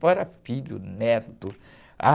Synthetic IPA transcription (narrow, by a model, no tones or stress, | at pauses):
fɔɾɐfiʎʊ̰nɛt̪ʊ | a̰